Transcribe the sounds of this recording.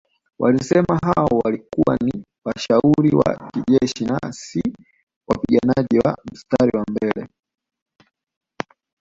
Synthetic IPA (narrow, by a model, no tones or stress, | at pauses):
walisɛmaɦawɔwalikuwa̰ni | waʃauɾiwa̰kiʄɛʃina̰si | wapiɡanaʄiwam̩staɾiwambɛlɛ